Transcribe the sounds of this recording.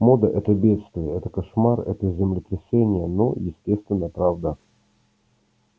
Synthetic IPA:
mod̪əʔɛt̪əbʲe̞t̪st̪vʲɪjəɛt̪əkɐʂmarɛ̰t̪əzʲɪmlʲɪt̪ɾʲɪsʲenʲɪjəno̰jɪsʲtʲest̪vʲɪnːəpɾavd̪ə

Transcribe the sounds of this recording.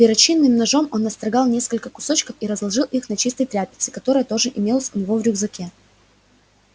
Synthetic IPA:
pʲɪɾɐt͡ɕinːɨmnɐʐo̞mo̞nːɐst̪ɾɐɡɑlˠnʲeskəlʲkəkʊ̥so̞t͡ɕkəfiɾəzlˠɐʐɨlˠʔixnɐt͡ɕist̪əjt̪ɾʲæpʲɪ̥t̪sɪ̥kɐt̪o̞ɾəjət̪o̞ʐɨʔɪmʲelˠəsʲʊnʲɪvo̞vɾʲʊɡzɐkʲe

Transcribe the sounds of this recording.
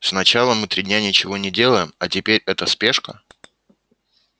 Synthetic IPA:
snɐt͡ɕalˠəmɨt̪ɾʲidʲnʲanʲɪt͡ɕɪvo̞nʲɪdʲe̞lˠəjɪmɐtʲɪpʲeɾʲɛt̪əspʲe̞ʂkə

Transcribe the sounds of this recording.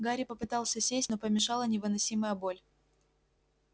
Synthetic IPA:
ɡaɾʲɪpəpɨt̪ɑlˠsʲəsʲesʲtʲno̞pəmʲɪʂɑlˠənʲɪvɨnɐsʲiməjəbo̞lʲ

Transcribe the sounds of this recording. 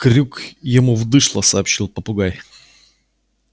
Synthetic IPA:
kɾʲukjɪmuvd̪ɨʂlˠəsɐːpɕːilˠpəpʊɡaj

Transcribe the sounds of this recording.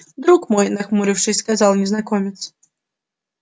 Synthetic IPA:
d̪ɾukmɔjnɐxmuɾʲɨwʂɨskazawnʲɛznakɔmʲit̪s

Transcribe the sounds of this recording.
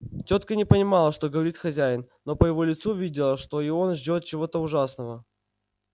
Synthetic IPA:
tʲo̞t̪kənʲɪpənʲɪmɑlˠəʂt̪o̞ɡəvɐɾʲit̪xɐzʲæjɪnːo̞pəjɪvo̞lʲɪt̪suvʲidʲɪlˠəʂt̪oɪo̞nʐdʲo̞t̪̚t͡ɕɪvo̞t̪əʊʐasnəvə

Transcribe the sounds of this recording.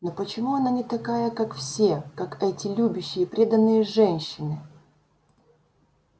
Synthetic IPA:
nopət͡ɕɪmuɐnanʲɪt̪ɐkajəkakfsʲekakɛtʲɪlʲubʲʊɕːɪjəpɾʲe̞d̪ənːɨjəʐɛnʲɕːɪnɨ

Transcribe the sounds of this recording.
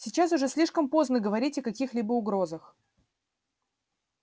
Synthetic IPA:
sʲɪt͡ɕasʊʐɛsʲlʲiʂkəmpo̞znəɡəvɐɾʲitʲɐkɐkʲixlʲibəʊɡɾo̞zəx

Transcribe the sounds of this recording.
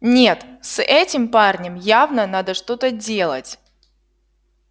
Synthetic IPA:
nʲet̪sɛtʲɪmparnʲəmjavnənad̪əʂt̪o̞t̪ədʲelˠə̰tʲ

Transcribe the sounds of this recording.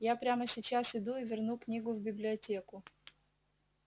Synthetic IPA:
japɾʲaməsʲɪt͡ɕasɪd̪uɪvʲɪrnuknʲiɡʊvbʲɪblʲɪɐtʲekʊ

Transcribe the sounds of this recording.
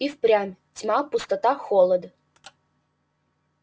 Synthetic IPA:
ifpɾʲamʲtʲmapʊst̪ɐt̪axolˠəd̪

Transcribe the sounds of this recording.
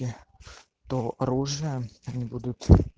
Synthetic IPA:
ɪ | t̪oɐɾuʐɨjəɐnʲibud̪ʊt̪

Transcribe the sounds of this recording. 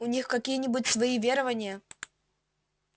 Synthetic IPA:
ʊnʲixkɐkʲijənʲɪbʊt̚ʲsvɐivʲeɾəvənʲɪjə

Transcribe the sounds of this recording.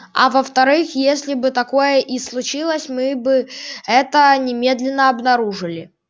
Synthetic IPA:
ɐ̰vəft̪ɐɾɨxjesʲlʲɪbɨt̪ɐko̞jəʔislˠʊt͡ɕilˠəsʲmɨbɨɛt̪ənʲɪmʲe̞d̪lʲɪnːəɐbnɐɾuʐɨlʲɪ

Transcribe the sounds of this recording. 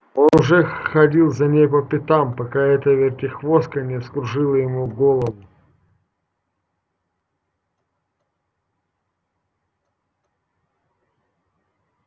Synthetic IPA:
o̞nʊʐɛxxɐdʲilˠzɐnʲejpəpʲɪt̪ampɐkaɛt̪əvʲɪrtʲɪxvo̞st̪̚kənʲɪskɾʊʐɨlˠəjɪmuɡolˠəvʊ

